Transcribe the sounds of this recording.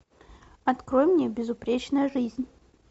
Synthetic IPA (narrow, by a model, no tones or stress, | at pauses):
ɐt̪kɾojmnʲebʲɪzʊpɾʲet͡ɕnəjəʐɨzʲnʲ